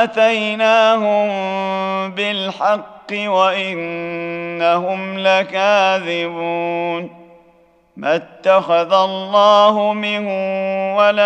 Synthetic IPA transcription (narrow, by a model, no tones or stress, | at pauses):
ʔat̪ajnaːɦʊm | bɪlħɑqːɨwaʔɪnː | aɦʊmlakaːðɪbuːn | mat̪ːaxaðalˤːɑːɦʊmɪnhʊwala